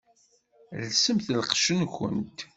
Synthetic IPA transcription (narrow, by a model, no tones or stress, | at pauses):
lsəmθlqʃənxə̰nt̪